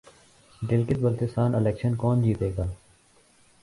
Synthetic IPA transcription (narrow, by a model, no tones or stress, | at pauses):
ɖɪlkɪt̪̚bəlt̪ɪst̪aːnɪlɛːkʃənkɔːnd͡ʒiːt̪eːɡaː